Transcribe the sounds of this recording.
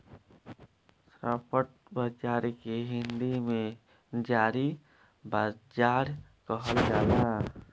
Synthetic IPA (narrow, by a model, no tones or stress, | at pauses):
sɾapəʈ̚bəd͡ʒaɾikeɦind̪ime | d͡ʒaɾi | bad͡ʒaɾkəɦəld͡ʒana